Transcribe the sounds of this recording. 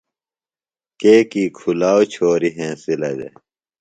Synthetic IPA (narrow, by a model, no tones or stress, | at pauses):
keːkiːkʰulaːwt͡ɕʰoːɾiɦẽːsilɐd̪ḛ